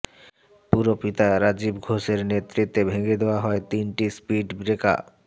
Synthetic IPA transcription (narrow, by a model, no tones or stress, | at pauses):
puɾopit̪aɾad͡ʑibɡʱoʃeɾnet̪ːɾit̪ːebʱeŋed̪eoaɦɔet̪inʈispiɖbɾeka̰